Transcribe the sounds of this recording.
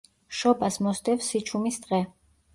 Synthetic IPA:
ʃɔbasmɔst̪ʼɛfsit͡ʃʰumisd̪ʁɛ

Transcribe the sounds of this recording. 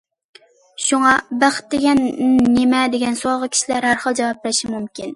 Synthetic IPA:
ʃuŋɑbæχt̪ːɪɡʲɛnːemɛd̪eɡʲɛnsuɑʁəkʲʰi̥ʃilæɾhæɾχəlˠd͡ʒɑwɑp̚lɛʃimumkʲin

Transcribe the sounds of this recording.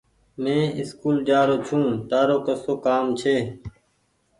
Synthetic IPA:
mẽːɪskuːld͡ʒaːɾoːt͡ʃʰũːʈaːɾoːkəsoːkaːmt͡ʃʰeː

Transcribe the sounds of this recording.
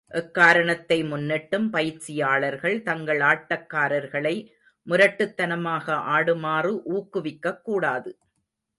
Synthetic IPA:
ʔɛkːaːɾɐɳɐt̪ːɐɪmʊnːɪʈːɯmpɐjɪt͡ʃːɪjaːɭɐɾɣɐɭt̪ɐŋɡɐɭaːʈːɐkːaːɾɐɾɣɐɭɐɪ | mʊɾɐʈːɯt̪ːɐnɐmaːɣɐʔaːɽɯmaːrɯʔuːkːɯʋɪkːɐkːuːɽaːðɯ

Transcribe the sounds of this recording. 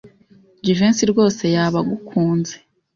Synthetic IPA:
d͡ʒiveːnsiɾɡo̞ːse̞jaːβaɡukʰuːnze

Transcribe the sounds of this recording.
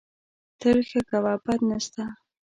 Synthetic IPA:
t̪əɾxakawapat̪nast̪a

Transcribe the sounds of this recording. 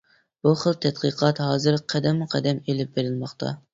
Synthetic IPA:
b̥uχəlˠt̪ʰɛt̪̚qəqʰɑt̪ɦɑːzɨɾqʰæd̪ɛmːuqʰɛd̪ɛmelɪp̚beɾɪlmɑχt̪ʰɑ̰

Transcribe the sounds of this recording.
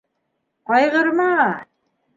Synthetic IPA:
qɑjʁɤ̆ɾmɑ

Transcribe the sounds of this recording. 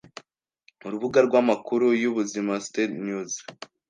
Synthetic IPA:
uɾuβuɡaɾɡwamakuɾujuβuzimastetnjuz

